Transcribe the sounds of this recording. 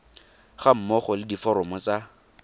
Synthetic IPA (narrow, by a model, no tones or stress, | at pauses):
χam̩mɔχɔlɪdifɔɾɔmɔt͡sa